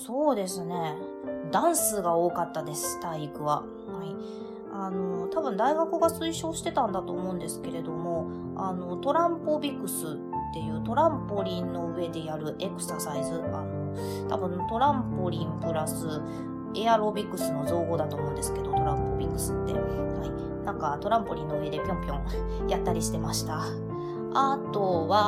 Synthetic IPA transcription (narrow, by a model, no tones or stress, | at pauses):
so̞ːd̪e̞sɨne̞ | d̪ãɰ̃sɨɡao̞ːkat̪ːad̪e̞sɨ̥t̪aikɯ̟βa | hai | ano̞t̪abɯ̟̃nd̪aiɡakɯ̟ɡasɨiɕo̞ːɕi̥t̪e̞t̪ãnd̪at̪o̞ːmo̞ɯ̟̃nd̪e̞sɨ̥ke̞ɾe̞d̪omo̞ | ano̞t̪o̞ɾãmpobʲikɯ̟sɨ | t̪ːe̞jɯ̟ːt̪o̞ɾãmpo̞ɾʲĩnːo̞ɯ̟e̞d̪e̞jaɾɯ̟ʔe̞kɯ̟̥sasaizɨa̰no̞ | t̪a̰bɯ̟̃nt̪o̞ɾãmpo̞ɾʲĩmpɯ̟ɾasɨ | e̞aɾo̞bʲikːɯ̟sɨno̞zo̞ːɡo̞ːd̪at̪o̞ːmõːnd̪e̞sɨ̥ke̞d̪o̞t̪o̞ɾãmpo̞bʲikːɯ̟̥sɨt̪ːe̞̰hai | nãŋkat̪o̞ɾãmpo̞ɾʲĩnːoɯ̟e̞d̪e̞pʲjõ̞mpʲjõ̞ŋ | jat̪ːaɾʲiɕi̥t̪e̞maɕi̥t̪a | at̪o̞βa